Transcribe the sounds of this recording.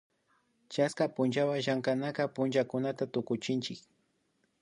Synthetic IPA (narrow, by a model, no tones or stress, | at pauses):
t͡ʃaskapʊnd͡ʒawaʒaŋkanakapʊnd͡ʒakʊnat̪at̪ʊkʊt͡ʃɪnt͡ʃɪk